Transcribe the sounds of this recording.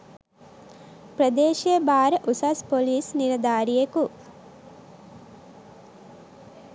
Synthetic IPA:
pɾɐd̪eːʃijebaːɾəʔusɐspoliːsniɾɐd̪aːɾijeku

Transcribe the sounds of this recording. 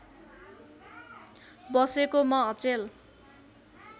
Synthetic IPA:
bʌsekomʌʌt͡sel

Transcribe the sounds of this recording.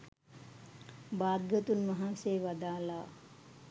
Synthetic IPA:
baːd̪ɡət̪unʋaɦanseːʋad̪aːla

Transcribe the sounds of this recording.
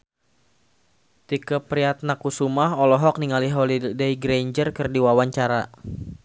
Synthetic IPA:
t̪ikəpɾiat̪̚nakusumaɦɔlɔɦɔk̚niŋaliɦɔlidejɡɾeɲd͡ʒərkɨrdiwawaɲt͡ʃaɾa

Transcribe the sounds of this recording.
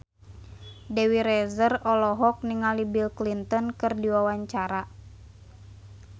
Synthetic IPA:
dewiɾɛzərɔlɔɦɔk̚niŋalibilklint̪ɔnkɨrdiwawaɲt͡ʃaɾa

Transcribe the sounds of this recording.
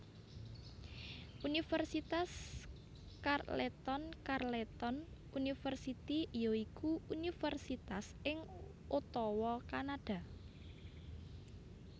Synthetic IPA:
ʔunifərsit̪as | karlet̪ɔnkarlet̪ɔn | unifərsit̪ijɔikuunifərsit̪as | ɪŋ | ot̪ɔwɔkanaɖ̥a̤

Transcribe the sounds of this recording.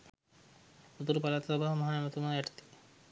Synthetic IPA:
ut̪uɾupalat̪ɐsɔbaɦɐmɐɦaːɛmət̪umaːɛʈɐ̥t̪i̥

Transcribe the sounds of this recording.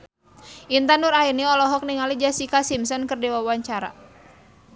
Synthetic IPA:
ʔint̪anuɾainiɔlɔɦɔk̚niŋalid͡ʒasikasimsɔnkɨrdɛwawaɲt͡ʃaɾa̰

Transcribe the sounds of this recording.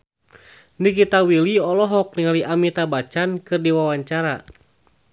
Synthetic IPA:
nikit̪awiliɔlɔɦɔk̚niŋaliʔamit̪abat͡ʃankɨrdiwawaɲt͡ʃaɾa

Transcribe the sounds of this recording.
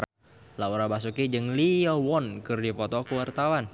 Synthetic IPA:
lauɾabas̬ukid͡ʒɨŋliɔwɔnkɨrdipɔt̪ɔkəwart̪awan

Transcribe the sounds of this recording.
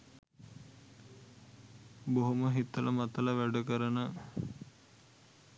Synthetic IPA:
boɦoməɦit̪ːələmat̪ələʋæɖəkəɾənə

